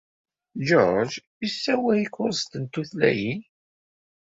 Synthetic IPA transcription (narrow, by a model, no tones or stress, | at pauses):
d͡ʒɔɾˤd͡ʒjisːæwæjikʊɾst̪ənt̪uθlæ̰jin